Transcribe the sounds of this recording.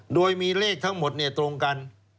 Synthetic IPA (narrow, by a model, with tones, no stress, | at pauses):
doː˧jmiː˧leː˥˩k̚t̪ʰa˦˥ŋmo˨˩t̪̚ni˥˩ɐt̪ɾo˧ŋka˧n